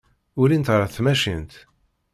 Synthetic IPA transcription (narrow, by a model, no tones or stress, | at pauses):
ʊɾint̪ʁɾˤaθmæʃint̪